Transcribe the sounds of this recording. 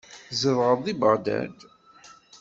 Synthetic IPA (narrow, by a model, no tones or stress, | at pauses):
zəvʁəðˤibəʁd̪æ̰d̪